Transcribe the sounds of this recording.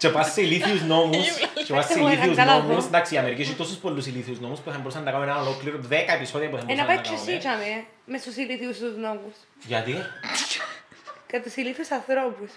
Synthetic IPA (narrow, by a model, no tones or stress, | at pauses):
t͡ʃepɐsseiliθiuzno̞must͡ʃepɐseliθiuzɐnomusnd̪ɐksiːɐmeɾikcisut̪ost̪uspolːusiliθiuznomuspuθɐmboɾusɐnːɐkanõenɐlokliɾoðekɐepisoðiɐpuθɐmbenɐpɐɐt͡ʃʰːosit͡ʃɐne | mest̪usiliθiusuznomus | ʝɐt̪i | kɐt̪isiliθiusɐnθɾopus